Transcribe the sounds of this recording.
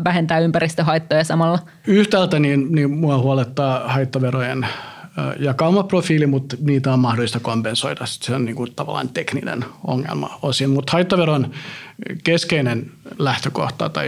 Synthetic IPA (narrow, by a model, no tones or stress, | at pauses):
ʋæhent̪æːympærist̪øɦɑit̪ːojɑsɑmɑlːɑ | yht̪ælt̪æniːnnimuɑhuɑlet̪ːɑːhɑit̪ːoʋerojen̰ː | jɑkɑumɑprofiːlimut̪niːt̪æommɑhdolist̪ɑkompensoidɑsi̥t̪seonniːŋkut̪ɑʋɑ̰lːˑɑ̰nt̪eknḭnḛno̰ŋːḛlmɑ̰osimmut̪hɑit̪ːoʋeron | keskeinenlæht̪øko̰ht̪ɑ̰t̪ɑ̰